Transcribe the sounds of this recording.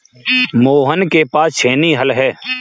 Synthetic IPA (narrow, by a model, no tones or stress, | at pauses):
moːɦənkepaːst͡ʃʰeːniɦəlɦɛː